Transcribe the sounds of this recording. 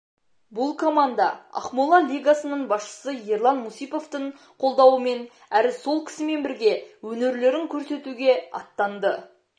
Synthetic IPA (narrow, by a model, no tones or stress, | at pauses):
bʊlˠkʰo̞mand̪ɑɑ̰qmulˠɑlʲijɡasənəɴbɑsʃə̥səje̞ɾlˠɑnmusijpo̞ft̪əɴ | qʰo̞lˠd̪ɑwəme̞n | æɾɪso̞lˠkʲʰɪ̥sɪme̞nbɪɾɡʲe̞wɵne̞ɾle̞ɾɪŋkʲʰɵɾse̞t̪uɡʲe̞ɑ̰t̪ːɑnd̪ə